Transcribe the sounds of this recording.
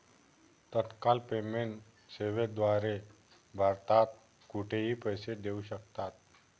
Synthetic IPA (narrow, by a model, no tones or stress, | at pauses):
t̪ət̪kalpemeɳʈ | seʋed̪ʋaɾe | bʱaɾt̪at̪̚ | kuʈʰeɦiːpəjsed̪euɕək̚t̪at̪̚